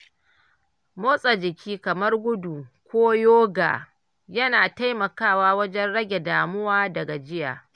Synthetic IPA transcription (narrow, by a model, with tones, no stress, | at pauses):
moː˦sʼa˨d͡ʒɪ˨kʲʰiː˦kɐ˨mɐ˦rɡʷʊ˦du˨kʷoː˦joː˦ɡa̰ː˨ | jɐ˦naː˨ta˦jmɐ˨kaː˦˨waː˦wɐ˦d͡ʒɛ˦nɽɐ˦ɡʲe˨daː˨mʊ˦waː˦dɐ˨ɡa˨d͡ʒɪ˦ja̰ː˨